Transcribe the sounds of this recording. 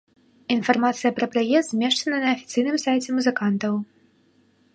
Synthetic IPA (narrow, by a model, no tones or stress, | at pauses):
infarmat̪sɨjɐpɾɐpɾajɛst̪zʲmʲɛʂt͡ʂɐnɐnɐːfʲit̪sɨjnɨmsajt͡sʲɛmuzɨkant̪ɐw